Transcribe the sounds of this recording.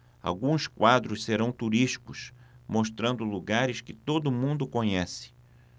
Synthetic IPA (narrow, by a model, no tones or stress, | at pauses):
a̰wɡũskwad̪ɾʊsseɾɐ̃w̃t̪uɾiʃi̥kʊsmoʃt̪ɾɐ̃nd̪ʊluɡaɾɪskɪt̪od̪ʊmũnd̪ʊkõɲɛsɪ̥